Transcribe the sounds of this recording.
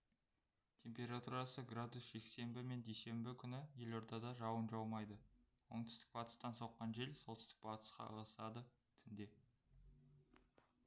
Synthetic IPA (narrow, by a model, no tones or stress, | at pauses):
t̪ʲʰe̞mpe̞ɾat̪uɾɑsəɡrad̪usʒ̥e̞kse̞mbɪme̞nd̪ejse̞mbɪkʲʰʏnɪje̞lo̞ɾd̪ɑd̪ɑʒɑwənʒɑwˠmɑjd̪ə | wo̞ɴt̪ʏ̥st̪ɪ̥k̚bɑt̪ə̥st̪ɑnsowqːɑnʒe̞lsɑlˠt̪ɪst̪ɪ̥k̚b̥ɑt̪ə̥sqɑ̰əʁɑsɑd̪ə | t̪ʰʏnd̪e̞